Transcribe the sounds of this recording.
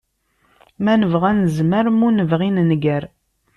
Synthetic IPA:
mænəvʁænəzməɾmunəvʁinnɡəɾ

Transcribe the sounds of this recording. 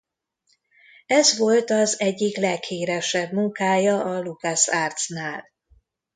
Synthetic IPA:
ɛzʋo̞lt̪ɒzɛɟːiklɛkheːɾɛʃɛbmuŋkaːjɒɒlukasaːrt̪snaːl

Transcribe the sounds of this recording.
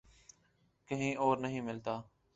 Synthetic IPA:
kəɦĩːʔoːɾnəɦĩːmɪlt̪aː

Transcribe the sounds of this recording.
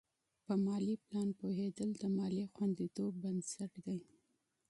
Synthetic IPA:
pəmɑliplɑnpohed̪əld̪əmɑlixwand̪it̪obːansaʈd̪aj

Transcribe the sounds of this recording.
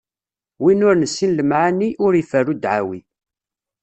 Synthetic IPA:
winʊɾnəsːinləmʕaniʔʊɾəfærud̪ʕa̰wi

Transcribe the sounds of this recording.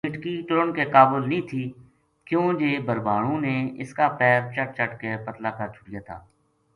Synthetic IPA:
ɪʈkiʈʊɾəɳkekaːbəlnĩːt̪ʰiː | kjõːd͡ʒeːbəɾbaːɽũːneːɪskaːpɛːɾ̚t͡ʃəʈ̚t͡ʃəʈkepət̪laːkəɾt͡ʃʰʊɽɪjaːt̪ʰa̰ː

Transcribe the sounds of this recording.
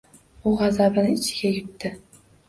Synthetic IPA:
ʊʁazabɪnɪɪt͡ʃʰɪɡʲajʊt̪ːɪ

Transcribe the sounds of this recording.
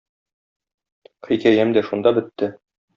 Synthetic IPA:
qikæjæmd̪æʃund̪ɑbɘ̆t̪ːɘ

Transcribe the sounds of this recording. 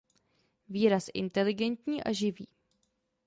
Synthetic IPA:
viːɾasʔɪ̰nt̪ɛlɪɡɛnt̪ɲiːʔa̰ʒɪviː

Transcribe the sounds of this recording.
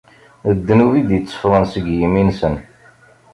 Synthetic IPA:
əd̪ːənuvid̪jt͡sːə̥fɾˤənsəɡjiminsən

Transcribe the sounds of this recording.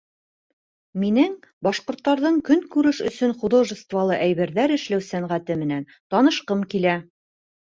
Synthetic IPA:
minɘŋ | bɑʃqŏɾt̪ːɑɾðɤɴkɵŋkʉɾɘʃɵ̆sɵnχud̪oʒəst̪vɑlˠɤʔæjβɘ̆ɾðæɾɘ̆ʃlæwsæɴʁæt̪ɘmɘ̆næn | t̪ɑnɤ̆ʃqɤmkilæ

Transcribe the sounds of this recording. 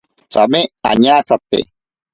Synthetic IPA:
t͡ʃamẽa̰ɲãt͡sapḛ

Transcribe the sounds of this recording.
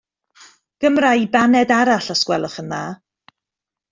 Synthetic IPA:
ɡ̥əmrajbanɛdaɾaɬɔskwɛlˠɔχənðaː

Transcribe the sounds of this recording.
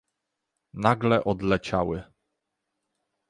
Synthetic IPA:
naɡlɛʔɔd̪lɛt͡ɕawɘ

